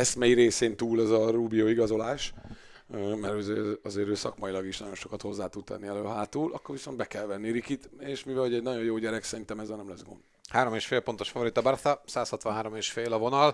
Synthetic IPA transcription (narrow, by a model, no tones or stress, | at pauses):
ɛsmɛjiɾeːseːnt̪uːlɛzɒɾuːbijoːiɡɒzo̞laːʃ | mɛɾøːzeɒzeːɾøːsɒkmɒjilɒɡiʃnɒɟo̞nʃo̞kɒt̪ho̞zːaːt̪ud̪̚t̪ɛ̰nːiɛløːɦaːt̪uːlʔɒkːoɾʋiso̞nd̪bɛkɛlvɛnːiɾikit̪eːʃmivɛlhoɛɟnɒɟo̞njoːɟɛɾɛksɛɾint̪ɛmɛzːɛlnɛmlɛzɡo̞̰nd̪ | haːɾo̞meːʃfeːlpo̞nt̪o̞ʃfɒvo̞ɾit̪ɒbɛrt̪ɒsaːshɒt̪ʋɒnɦaːɾo̞meːʃfeːlɒvo̞nɒl